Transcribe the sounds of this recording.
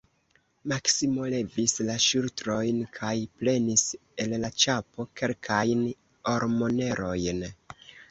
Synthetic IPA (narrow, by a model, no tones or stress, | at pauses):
maksimo̞le̞vislaʃultɾo̞jnkʰajple̞nis | e̞llat͡ʃapo̞ke̞lkʰajn | o̞ɾmo̞ne̞ɾʔo̞jn